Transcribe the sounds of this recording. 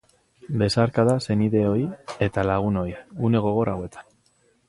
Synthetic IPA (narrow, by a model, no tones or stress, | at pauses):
be̞saɾkaðase̞niðe̞o̞je̞t̪alaɣ̞uno̞june̞ɣo̞ɣ̞o̞ɾawe̞t̪ʰḁn